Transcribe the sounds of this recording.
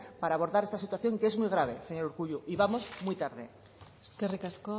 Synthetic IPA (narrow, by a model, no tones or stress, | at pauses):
paɾaːβo̞ɾðaɾe̞st̪asit̪waθjo̞ŋkee̞zmujɣ̞ɾaβ̞eseɲoɾuɾɣuʎuʔiβamo̞zmujt̪aɾðḛ | kerekasko